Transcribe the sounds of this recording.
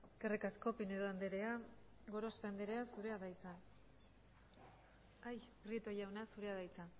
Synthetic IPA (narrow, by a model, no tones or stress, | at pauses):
e̞ske̞rikasko̞pine̞ðoand̪eɾe̞a | ɡo̞ɾo̞sfand̪eɾe̞asuɾe̞aðajt͡sa | ajkrit̪ojawnasuɾe̞að̞ajt͡sa